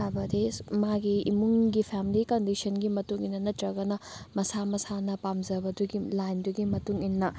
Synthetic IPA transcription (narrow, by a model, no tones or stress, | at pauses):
ajbɐdemaɡiḭmuŋɡipʰamilikɐndisɐnɡimɐtuŋinːɐnɐtɾɐɡɐnɐmɐsamɐsanɐpamzɐbɐduɡilajnduɡimɐtuŋinːɐ